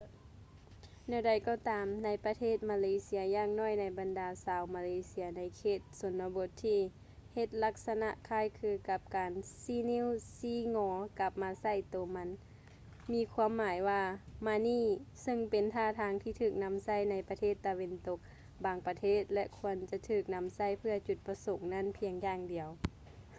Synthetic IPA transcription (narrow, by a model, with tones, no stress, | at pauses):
nɛː˧˩da˨˩jkɔː˧˩t̪aː˨mna˧˥jpa˧t̪ʰeː˥˩t̪̚maː˧leː˧˦si˧ɐjaː˧ŋnɔː˧˥˩jna˧jba˨ndaː˨˦saː˨˧˦wmaː˧leː˧˦si˧ɐna˧˥jkʰeː˧˩t̪̚so˨˦nːa˧bo˧t̪ʰːiː˧ | he˧t̪̚la˧˥k̚sa˧na˧ʔkʰaː˧˥˨jkʰɯː˧ka˧p̚kaː˨nsiː˧niː˧˥˨wsiː˧˦ŋɔː˨˦ka˧˦p̚maː˧sa˧˥˩jt̪oː˨˩ma˧˥n | miː˧˥kʰu˧əmːaː˨˦jwaː˧maː˧niː˧˥˩sɤ˧ŋpe˨nt̪ʰaː˧˩t̪ʰaː˧˦ŋt̪ʰiː˧t̪ʰɯː˧˩k̚na˧˥msa˧˥˨jna˧jpa˧t̪ʰeː˥˩t̪ːa˧we˧nt̪o˧˦k̚ | baː˨˦ŋpa˧t̪ʰeː˥˩t̪̚lɛ˧ʔkʰu˧ənt͡ɕa˧t̪ʰɯː˧˩k̚na˧˥msa˧˥˩jpʰɯ˧ɐt͡ɕu˧˩t̪̚pa˧so˨˦ŋna˧˥˨npʰi˧əŋjaː˧ŋdi˨əw